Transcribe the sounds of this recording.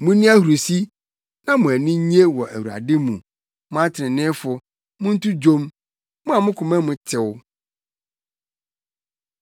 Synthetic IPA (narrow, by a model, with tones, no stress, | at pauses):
mʊ̃˦nĩ˦a˦hu˨ɾo˨si˦ | nã˦mʊ̃˨æ˨nĩ˦ɲ˦e˦wɔ˨ʔæ˨wu˨ɾa̰˨dɪ˦mũ˨ | mʊ̃˦a˦tʰɪ˨ɪ̃˨nɪ̃˦fʊ˨ | mʊ̃˦n̩˦tʰu˦d͡ʑo˦m | mʊ̃˦a˨mʊ̃˦kʰʊ̃˨mæ̃˦mʊ̃˨tʰɪ˨w